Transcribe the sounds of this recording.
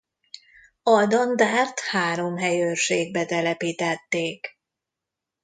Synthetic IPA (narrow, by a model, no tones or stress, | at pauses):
ɒd̪ɒnd̪aːrt̪haːɾo̞mɦɛjøʃeːɡ̚bɛt̪ɛlɛpiːt̪ɛt̪ːeːk